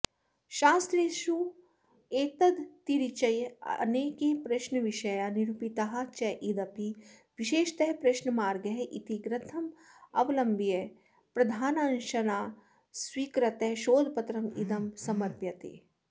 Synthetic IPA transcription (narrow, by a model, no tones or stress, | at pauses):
ʃaːst̪ɾeːʃu | eːt̪ɐd̪t̪iɾit͡ʃɐj̰neːkepɾɐʃnɐʋiʃɐjaniɾupit̪aɦɐ̆t͡ʃɐʔid̪ɐpiʋiʃeːʃt̪ɐɦpɾeʃnɐmaːɾɡɐɦʔit̪iɡɾɐt̪ʰɐmɐʋlɐmbije | pɾɐd̪ʱaːnãːnʃɐnaː | swiːkɾɐt̪eʃoːd̪pɐt̪ɾɐmḭd̪ɐmsɐmɐɾpjɐt̪ḛː